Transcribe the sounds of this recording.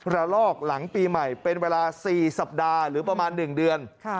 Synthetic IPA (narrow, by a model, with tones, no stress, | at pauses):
ɾa˧lɔː˥˩k̚la˩˦ŋpiː˧ma˨˩jpe˧nweː˧laː˧siː˨˩sa˨˩p̚daː˧ɾɯː˩˦pɾa˧maː˧nːɯ˨˩ŋdɯ˧ənʰ˧